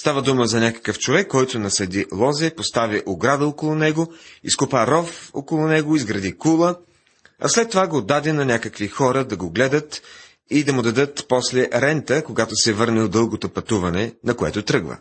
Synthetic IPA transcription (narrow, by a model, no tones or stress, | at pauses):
st̪avəd̪uməzɐnʲakə̥kəft͡ʃovɛkːɔjt̪onɐsɐd̪ilˠɔzɛpost̪aviʔoɡɾad̪əokolˠʊnɛɡoiskʊpaɾɔfo̰kolˠʊnɛɡoizɡɾɐd̪ikulˠə | ɐ̰slɛt̪ːovaɡod̪ad̪ɛnɐnʲakəkvixɔɾəd̪ɐɡoɡlɛd̪ət̪ | id̪ɐmʊd̪ɐd̪ɤt̪pɔslɛɾɛnt̪əkoɡat̪osɛvɤɾnɛlˠd̪ɤlˠɡot̪opɐt̪uvɐnɛnɐkoɛ̰t̪ot̪ɾɤɡvə̰